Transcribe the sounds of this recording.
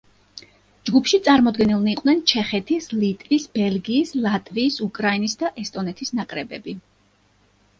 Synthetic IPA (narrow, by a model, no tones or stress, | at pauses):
d͡ʒɡupʰʃit̪sʼaɾmɔd̪ɡɛnilˠniqʼwnɛnt͡ʃʰɛχɛt̪ʰislit̪ʼvisb̥ɛlɡiːslˠat̪ʼviːsukʼɾainisd̪aʔɛst̪ʼɔnɛt̪ʰisnakʼɾɛbɛbi